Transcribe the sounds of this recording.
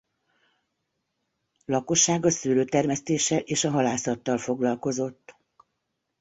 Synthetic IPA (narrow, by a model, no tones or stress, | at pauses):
lɒko̞ʃːaːɡɒsyːløːt̪ɛrmɛst̪eːʃːɛlʔeːʃɒɦɒlaːsɒt̪ːɒlfo̞ɡlɒlko̞zo̞t̪ː